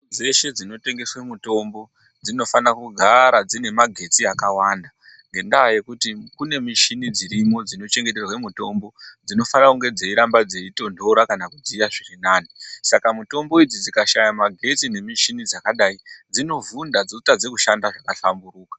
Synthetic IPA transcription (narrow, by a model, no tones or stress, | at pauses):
d͡ze̞ʃe̞d͡zino̞te̞ŋɡe̞swe̞muto̞mbo̞ | d͡zino̞fanakuɡʱaɾad͡zine̞maɡʱe̞t͡siakawanda | ŋŋɡe̞ndaːje̞kutikune̞miʃinid͡ziɾimo̞d͡zino̞t͡ʃe̞ŋɡe̞t̬e̞rwe̞muto̞mbo̞d͡zino̞fanakuŋɡe̞d͡ze̞iɾambad͡ze̞ito̞ndo̞ɾakanakud͡zijaʐirinaːnisakamuto̞mbo̞id͡zid͡zikaʃajamaɡʱe̞t͡sine̞miʃinid͡zakaɗaid͡zino̞vundad͡zotad͡ze̞kuʃandaʐakaɬamburuːkḁ